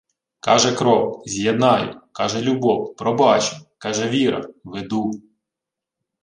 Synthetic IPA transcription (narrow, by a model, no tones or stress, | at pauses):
kɑʒɛkɾɔwzʲjed̪nɑjʊ̰kɑʒɛlʲʊbɔwpɾɔbɑt͡ʃɪkɑʒɛʋʲiɾɐ̰ʋed̪u